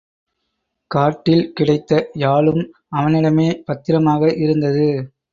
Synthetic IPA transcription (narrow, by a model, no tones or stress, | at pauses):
kaːʈːɪlkɪɽɐɪt̪ːɐjaːɭɯm | ɐʋɐnɪɽɐmeːpɐt̪ːɪɾɐmaːɣɐʔɪɾɯnd̪ɐðɯ